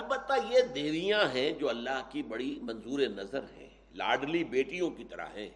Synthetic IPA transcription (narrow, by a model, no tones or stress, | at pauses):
ɐlbət̪ːajed̪eːʋijãɦɛ̃d͡ʒoːɐlːaɦkibɐɽimɐ̃nzuːɾenɐzəɾɦɛ̰̃ː | la̰ːɾɖlibeːʈijõkit̪ɐɾa̰ɦɛ̃ː